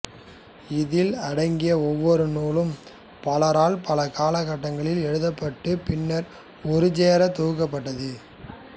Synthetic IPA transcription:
ɪðɪlɐɽɐɪŋɡɪjɐɔʋːɔɾɯnuːlɯm | pɐlɐɾaːlpɐlɐkaːlɐɣɐʈːɐŋɡɐɭɪlɛɻɯðɐpːɐʈːɯpɪnːɐɾ | ɔɾɯd͡ʒeːɾɐt̪uːɣɐp̬ːɐʈːɐðɯ

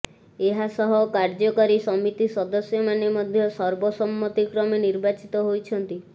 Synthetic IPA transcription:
eɦasɔɦɔkaɾd͡ʒɔkɔɾisɔmit̪isɔd̪ɔsjɔmanemɔd̪ʱjɔsɔɾbɔsɔmːɔt̪ikɾɔmeniɾbat͡ʃit̪ɔɦojt͡ʃʰɔnt̪i

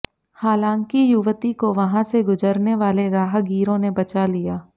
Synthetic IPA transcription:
haːlãːŋkijʊʋt̪ikoʋɐɦãseɡʊzəɾneʋaːleɾaːɦɡiːɾõnebɐt͡ʃalijaː

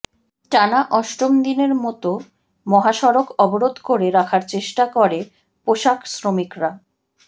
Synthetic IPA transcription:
ʈanaʔɔʃʈomd̪ineɾmɔt̪o | mɔɦaʃɔɾokɔboɾod̪ʱkoɾeɾakʰaɾt͡ɕeʃʈakoɾe | poʃaksɾomikɾa

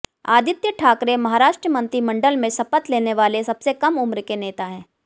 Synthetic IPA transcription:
aːd̪ʱɪt̪jəʈʰaːkɾemɐɦaːɾaːʃʈɾəmɐ̃nt̪ɾimɐ̃ɳɖəlmẽsɐpət̪leːneʋaːlesɐbsekɐmʊmɾkeneːt̪aɦɛ̃ː

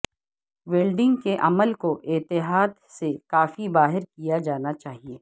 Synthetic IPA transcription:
ʋeːlɖɪ̃ŋɡkeʔɐməlkoʔɪt̪ɪɦaːd̪sekaːfibaːɦɪɾkijad͡ʒaːnat͡ʃaːɦieː

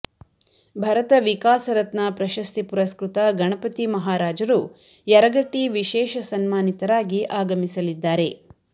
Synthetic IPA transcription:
bʱɐɾɐt̪ɐʋikaːsɐɾɐt̪nɐpɾɐʃɐst̪ipuɾɐskɾut̪ɐɡɐɳɐpɐt̪imɐɦaːɾaːd͡ʒɐɾu | jɛɾɐɡɐʈːiʋiʃɛːʃɐsɐnmaːnit̪ɐɾaːɡiʔaːɡɐmisɐlid̪ːaːɾe̞

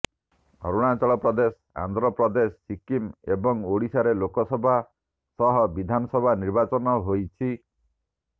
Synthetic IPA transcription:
ɡʱɔ̰ɾuɽ̃at͡ʃɔɭɔpɾɔd̪esɔ̥a̰nd̪ɾɔpɾɔd̪esɔːikimebɔŋoɽisaɾelokɔsɔbʱa | sɔɦɔbid̪ʱanɔsɔbʱaniɾbat͡ʃɔnɔɦojt͡ʃʰi

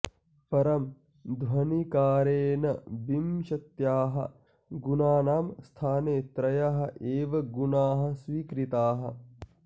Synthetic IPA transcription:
pɐɾɐm | d̪ʋɐnikaːɾeːnɐbimʃɐt̪jaːɦɐ̰ | ɡunaːnaːmst̪ʰaːneːt̪ɾɐjɐɦɐ̆ʔeːʋɐɡunaːɦɐ̆sʋiːkɾit̪aːɦɐ

